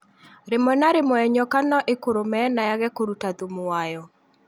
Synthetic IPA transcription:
ɾemɔnaɾemɔɛɲɔkanɔʔekoɾomɛnajaɣɛkoɾutaðumoajɔ

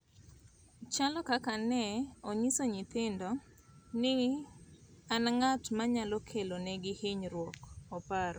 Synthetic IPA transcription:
t͡ʃalɔkakanɛoɲisoɲɪt̪ɪndɔ | nɪ | anŋatmaɲalɔkʰelonɛɡɪhiɲɾwɔkɔpaɾɔ

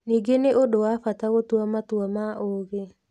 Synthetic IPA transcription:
niɡeneʔodowafat̪awot̪wamat̪wɔmaoɡe

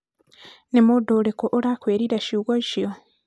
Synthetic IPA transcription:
nemodolekoʔoɾakweːɾiɾaʃuɣoʃio

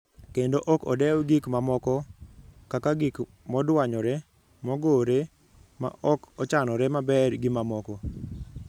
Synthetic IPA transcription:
kendoʔɔkɔdɛwɡikmamɔkɔkakaɡik | mɔdwaɲɔɾɛ | mɔɡoɾe | ma̰ʔɔkɔt͡ʃanɔɾɛmabɛrɡimamɔkɔ

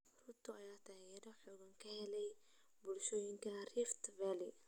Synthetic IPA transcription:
rʊt̪ʰʊɐjaːt̪ʰaːɣɛːɾɔħɔːɣɐŋkʰɐhɛlɛj | bʊlʃɔːjɪŋkʰɐrɪft̪vɛlɪ

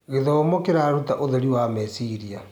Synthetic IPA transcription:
ɣeðɔmokeɾaɾutaʔoðeɾiwamɛsiɾia

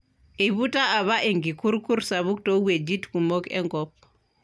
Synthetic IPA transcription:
ʔibutaːβaʔeŋɡikuɾkuɾsaβuk̚towed͡ʒitkumokɛ̰ŋɡɔp

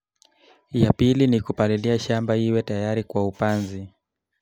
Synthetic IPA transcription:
japilinikupaliliaʃambaiwɛtajaɾikwaupanzi

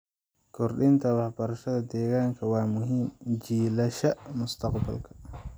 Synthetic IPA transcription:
kʰɔrɗint̪ʰɐwɑħbɐɾɐʃɐðɐd̪ɛːɣaːŋkʰɐwɑːmʊɦiːmd͡ʒiːlɐʃɐmʊst̪ʰɐqbɐ̰lkʰɐ̥

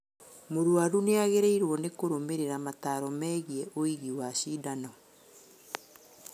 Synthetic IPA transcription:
moɾwaɾuneaɣeɾeiɾwɔnekoɾomeɾeɾamataɾɔmɛːɣiɛʔoiɣiwaɕidanɔ

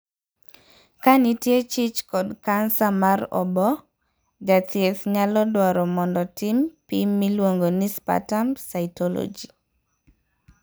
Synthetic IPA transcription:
kanitjet͡ʃit͡ʃkɔdkansamaɾɔ̰bɔ | d͡ʒatjeθɲalɔdwaɾɔmɔndɔtʰimpimːilwoŋɡonispa̰tamsaɪtɔlɔ̰d͡ʒi

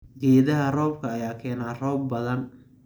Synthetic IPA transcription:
ɡɛːðɐɦɐrɔːb̚kʰɐːjaːkʰɛːnaːrɔːbːɐðɐn

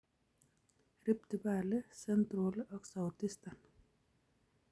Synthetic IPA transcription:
ɾipt̪ibaːlɨsent̪ɾoːlɐksawt̪ist̪an

